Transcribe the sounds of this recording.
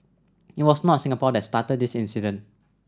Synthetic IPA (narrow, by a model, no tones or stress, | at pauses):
it̚wɔsnɔtsĩŋapɔdɛtst̪at̪əd̚disĩnsidə̃n